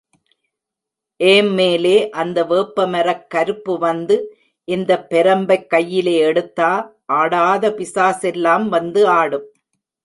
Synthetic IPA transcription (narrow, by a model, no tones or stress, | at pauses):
ʔeːmmeːleːʔɐnd̪ɐʋeːpːɐmɐɾɐkːɐɾɯpːɯʋɐnd̪ɯ | ʔɪnd̪ɐpːɛɾɐmbɐɪkːɐjːɪleːɛɽɯt̪ːaːʔaːɽaːðɐpɪsaːsɛlːaːmʋɐnd̪ɯaːɽɯm